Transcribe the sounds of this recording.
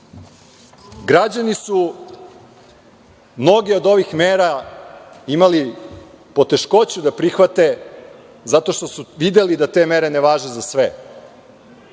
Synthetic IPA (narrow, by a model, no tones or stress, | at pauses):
ɡɾad͡ʑanisu | mno̞ɡio̞d̪o̞ʋixmeːɾa | imali | po̞t̪e̞ʃko̞t͡ɕud̪apɾixʋat̪e̞ | zat̪o̞ʃt̪o̞suʋid̪e̞lid̪at̪e̞ːmeɾe̞neʋaːʒezasʋe